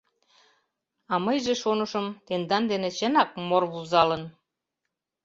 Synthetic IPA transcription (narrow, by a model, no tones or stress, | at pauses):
ɑmɤjʒeʃonɤ̆ʃə̆mt̪end̪ɑnd̪enĕt͡ɕə̆nɑk̚morβuzɑlən